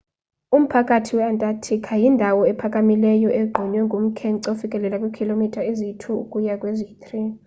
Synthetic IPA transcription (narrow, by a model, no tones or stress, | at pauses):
um̩pʰakʼatʰiwɛantʼatʰikʰajindʱawɔɛpʰakʼamilɛjɔʔeɡ͡ǃʱiɲwɛŋɡʱum̩kʰɛŋǀofikʼɛlɛlakʼwekʰilomitʼaezitʰuṵkʼujakʼwezit̪ʰʼri